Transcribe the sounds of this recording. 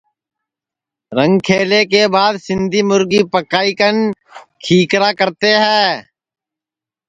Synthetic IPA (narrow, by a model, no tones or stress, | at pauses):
ɾəŋɡkʰeːleːkeːbaːd̪sɪnd̪ʱiːmʊɾɡiːpəkaːiːkənkʰiːkɾaːkəɾt̪eːɦɛː